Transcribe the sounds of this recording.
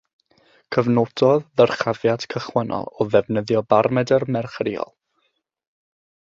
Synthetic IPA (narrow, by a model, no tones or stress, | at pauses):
kʰəvnod̥ɔðːərχavjad̥kʰəχwənɔ̰lˠɔðɛvnəðjɔbarmɛdərmɛrχrɪɔ̰lˠ